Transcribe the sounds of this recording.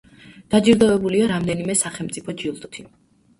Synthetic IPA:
d̪̥ad͡ʒiɾd̪ɔvɛbuliaɾamd̪ɛnimɛsaχɛlˠmt̪sʼipʰɔd͡ʒiulˠt̪ʼt̪ʰi

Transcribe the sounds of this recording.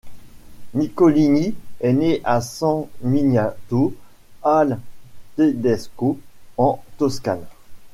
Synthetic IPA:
nikɔliniɛneʔasɑ̃minat̪o | alt̪ed̪ɛskoɑ̃t̪ɔska̰n

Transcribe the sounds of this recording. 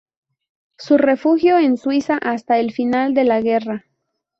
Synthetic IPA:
sure̞fuxjo̞enswisaʔast̪aelfinald̪e̞laɣe̞ra

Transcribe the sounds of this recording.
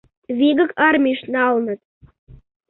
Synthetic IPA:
βiɣə̆kɑrmʲiʃnɑlnə̆t̪̚

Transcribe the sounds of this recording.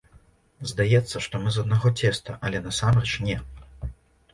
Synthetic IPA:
zd̪ajɛt̪sːɐʂt̪ɔmɨzɐd̪̚naɣɔt͡sʲɛst̪ɐʔɐlʲɛnasamrɛt͡ʂnʲɛ

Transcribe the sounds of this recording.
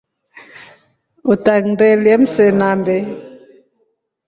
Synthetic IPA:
utaŋdɛljɛm̩sɛnambɛ

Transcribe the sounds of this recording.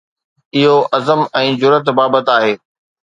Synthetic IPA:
ɪɦoʔɐzəmɛ̃ːd͡ʑʊɾət̪baːbət̪aːɦeː

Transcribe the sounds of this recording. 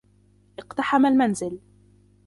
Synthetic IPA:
ʔɪqt̪aħamalmanzɪl

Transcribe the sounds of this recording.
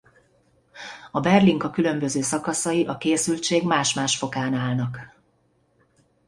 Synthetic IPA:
ɒbɛrliŋkɒkylø̞mbø̞zøːsɒkɒsɒjiʔɒkeːsylt͡ʃeːɡmaːʃmaːʃfo̞kaːnaːlnɒk

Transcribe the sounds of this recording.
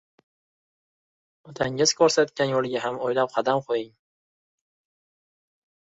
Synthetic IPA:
ɒt̪ʰaŋɪz̥kʰoɾsat̪kʲanjolˠɡʲaɦamojlap̚qʰɑd̪amqʰojɪŋ

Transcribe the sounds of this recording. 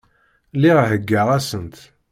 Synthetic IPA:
liʁɦəɡːəʁæsənt̪

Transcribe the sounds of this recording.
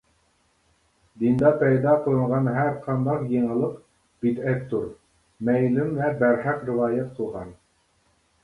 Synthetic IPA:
d̪ind̪ɑpæjd̪ɑqolˠɤɴʁɑnɦæɾqʰɑnd̪ɑqjɤɴə̆lˠɤq | b̥it̪æp̚t̪ːuɾ | mæjlɪmvæbæɾhæqɾɪ̆vɑːjæt̪̚qʰə̆lˠʁɑn

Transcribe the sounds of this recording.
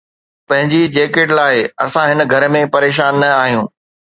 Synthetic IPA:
pɐ̃ɦɪ̃ɲd͡ʑid͡ʑeːkeːʈlaːɪɐsãɦɪnəɡʱɐɾmẽpɐɾeːʃ̬aːnːɐaːɦijũː

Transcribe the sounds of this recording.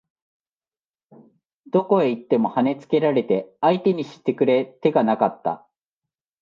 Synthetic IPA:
d̪̥o̞ko̞e̞it̪ːe̞mo̞hane̞t͡sɨ̥ke̞ɾaɾe̞t̪e̞ait̪e̞ɲ̟iɕi̥t̪ːe̞kɯ̟ɾe̞t̪e̞ɡanakat̪ːa̰

